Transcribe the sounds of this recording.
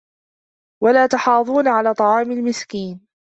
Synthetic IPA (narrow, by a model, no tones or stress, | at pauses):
walaːt̪ɑħɑːðˤuːnaʕalaːt̪ˤɑʕɑːmalmɪskiːn